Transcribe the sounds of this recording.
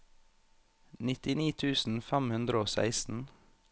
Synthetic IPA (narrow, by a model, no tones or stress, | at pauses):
nɪt̪ɪniːt̪ʰʉːsn̩fæmhʉnd̪ɾəoːsæ̰ɪsn̩